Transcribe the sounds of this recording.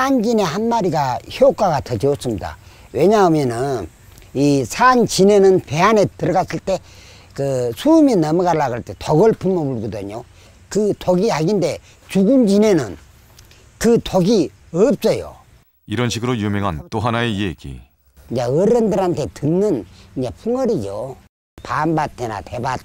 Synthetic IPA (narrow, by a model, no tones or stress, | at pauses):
and͡ʑine̞hanmaɾiɡaçjok͈aɣatʰʌd͡ʑios͈ɯmida̰ | we̞ɲamjʌnɯn | isʰant͡ɕine̞nɯnpe̞ane̞tɯɾʌɣas͈ɯɭt͈e̞ | kɯsʰuminamuɡaɭːaɣaɭte̞tʰoɡɯɭpʰumobuɭɡɯdɯɲo | kɯtʰoɡiaɡinde̞ | t͡ɕuɡund͡ʑine̞nɯn | kɯtʰoɡi | ɯp̚s͈ʌjo̰ | iɾʌnɕʰiɡɯɾojumeŋɦant͈oɦanaeieɡḭ | ɲd͡ʑaɯɾʌndɯɾhantʰe̞tɯnːɯniɲd͡ʑapʰuŋʌɾid͡ʑo | panbatʰena̰tebat̚